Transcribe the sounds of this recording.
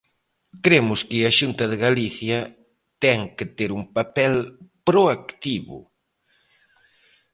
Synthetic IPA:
kɾemʊskɪaʃunt̪ɐðɪɣaliθjɐ | t̪ɛŋkɪt̪eɾumpapɛlpɾoakt̪iβʊ̰

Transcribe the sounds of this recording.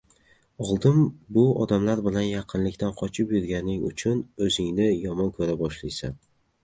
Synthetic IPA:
ɒlˠd̪ɪmbʊɒd̪amlaɾbɪlanjaqʰɨnlɪkʲt̪ʰanqʰɒt͡ʃʰɪpjʊɾɡʲanɪŋʊ̰t͡ʃʰʊnɵzɪŋnɪjɒmɒnkʰɵɾabɒʃlajsa̰n

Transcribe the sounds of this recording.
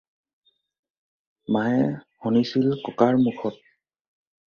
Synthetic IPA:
maɛhɔnisilkɔkaɹmukʰɔt̚

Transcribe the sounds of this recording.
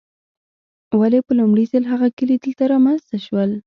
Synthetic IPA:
walepəlʊmɽizəlɦaɣakəlid̪əlt̪aɾɑmanzt̪aʃwəl

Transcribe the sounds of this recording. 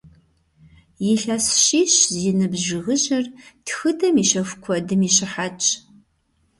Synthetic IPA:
jɪɬɐsʃiːɕzɪnɨbʒɪʁəʑɐrtxɨdʰɐmiːʃɐxʷkʷʰɔdɨmiːɕɪħat͡ʃʼ

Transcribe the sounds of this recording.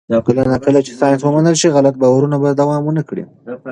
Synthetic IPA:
d̪ɑkɪlanakəlat͡ʃe̥sɑnat̪wəmanəlʃiɣalat̪̚bawaɾunabad̪awɑmwənakɽḭ

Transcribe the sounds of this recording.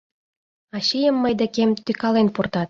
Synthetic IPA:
ɑɕijə̆mːəjd̪ekemt̪ykɑlenpurt̪ɑt̪̚

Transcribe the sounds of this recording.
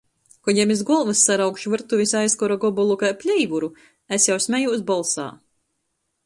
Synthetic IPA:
kɔjɛmizɡɔlˠvɨsːaɾawkʃuvɨɾt̪uvʲisajskɔɾaɡɔbɔlˠukajpʲlʲɛjvuɾu | æsjawsʲmʲɛjuːsbɔlˠsa̰ː

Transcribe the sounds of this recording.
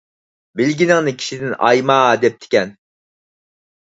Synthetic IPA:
bɪlɡʲinɪŋnɪkʲʰi̥ʃid̪ɪnɑ̰jmɑd̪ɛp̚t̪ʰɪ̥kʲɛn

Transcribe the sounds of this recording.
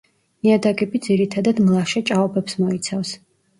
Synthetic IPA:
niad̪aɡɛbid̪ziɾit̪ʰad̪ad̪mlˠaʃɛt͡ʃʼaɔbɛpsmɔit̪sʰafs

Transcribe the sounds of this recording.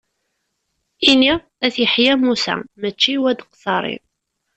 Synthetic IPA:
ini | æθjəħjæmusæ̰mət͡ʃːiwæd̪əqsɑɾˤḭ

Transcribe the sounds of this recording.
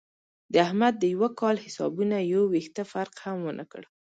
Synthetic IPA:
d̪əahmad̪̚ːəjwakɑlhɪsɑ̰bunajəwext̪əfaɾqhamwənʔə̰kə̰ɽ

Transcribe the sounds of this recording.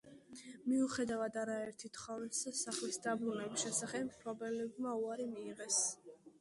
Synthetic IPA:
miuχɛd̪avad̪aɾaɛɾt̪ʰit̪ʰχɔvnssaχlisd̪abɾunɛbisʃɛsaχɛbmpʰɾɔbɛlɛbmauaɾimiːʁɛs

